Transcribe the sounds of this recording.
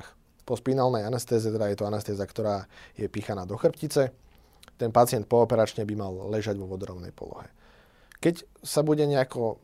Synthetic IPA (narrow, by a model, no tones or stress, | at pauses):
x | pɔspinalnɛjanɛst̪ɛːzɛt̪ɛd̪ajɛt̪ɔanɛst̪ɛːzakt̪ɔɾaːjɛpiːxanaːd̪ɔxr̩pcit͡sɛ | t̪ɛnpat͡sɪɛnt̪̚pɔːpɛɾat͡ʃɲɛbimallɛʒaɟʋɔʋɔd̪ɾɔʊnɛ̰jpɔ̰lɔ̰ɦɛ | kɛc | sabuɟɛɲɛakɔ